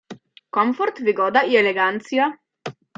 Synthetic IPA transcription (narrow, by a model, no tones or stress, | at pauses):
kɔmfɔɾt̪ʋiɡɔːd̪aiɛlɛɡant̪sija